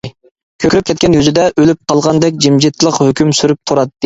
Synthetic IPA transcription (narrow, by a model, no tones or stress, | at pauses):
kʲʰøkʰʲɾyp̚kʰʲɛt̪̚ʲkʲɛnjøzɪd̪ɛʔølyp̚qʰɑlˠʁɑnd̪ɛk̚ʲd͡ʒimd͡ʒit̪ʰlˠəqhøkʲymsyɾyp̚t̪ʰuɾɑt̪ːɨ